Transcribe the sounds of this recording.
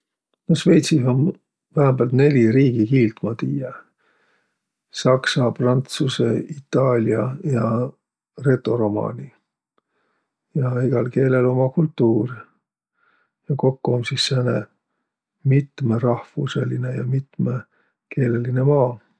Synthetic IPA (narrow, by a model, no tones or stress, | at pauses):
nosve̞jt̪siɦom | væɦæmb̥æːlt̪ne̞lʲiɾiːɡ̥ikiːlt̪mɑt̪iːje | sɑksɑprɑnt̪suse̞it̪ːˑɑːlʲjɑjɑ | re̞t̪ˑːo̞ɾo̞mɑ̰ːnʲi | jɑiɡ̥ɑlke̞ːle̞lo̞mɑkult̪ːuːr | jɑko̞kːuomsisːænḛ | mit̪merɑhfṵsḛlinejɑmit̪me | ke̞ːle̞line̞mɑː